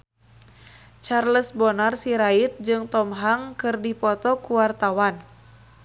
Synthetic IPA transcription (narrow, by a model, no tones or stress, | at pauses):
t͡ʃarləsbɔnarsiɾait̪̚d͡ʒɨŋt̪ɔmɦaŋkɨrdipɔt̪ɔkuwart̪awan